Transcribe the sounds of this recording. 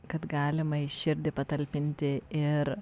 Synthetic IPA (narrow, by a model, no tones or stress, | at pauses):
kɐt̪ɡɑːlʲɪmɐɪʃʲɪɾʲd̪ʲɪpɐt̪ɐlʲpʲɪnʲt̪ʲɪɪɾ